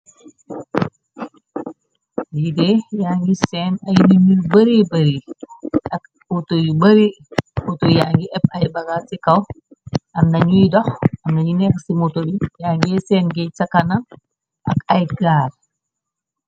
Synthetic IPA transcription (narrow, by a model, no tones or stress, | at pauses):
jidɛjaŋɡisɛːnɐjnuɲubɐɾibɐɾiʔɐk̚ | otojubɐɾi | otojaŋɡiʔɛp̚ɐjbɐɡasikɐwʔɐmnɐɲujdɔxɐmnɐɲunɛːksimotobijaːŋɡiɛsɛːnɡɛsɐkɐnɐn | ʔɐkɐjɡaːɾ